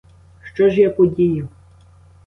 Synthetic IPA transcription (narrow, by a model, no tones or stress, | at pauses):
ʃt͡ʃɔʒjapɔdʲijʊ